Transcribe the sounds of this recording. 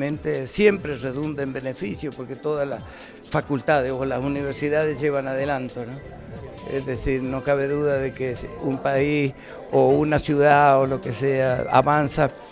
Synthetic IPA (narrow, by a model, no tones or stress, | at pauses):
ẽnt̪esjempɾereðund̪embenefisjopoɾket̪oðalas | fakult̪aðesolasuniβ̞eɾsiðaðezʝeβaŋaðelant̪ono | ḛzðeθiɾnokaβeðuðaðekeumpais | ounasjuðaolokeseaa̰βansa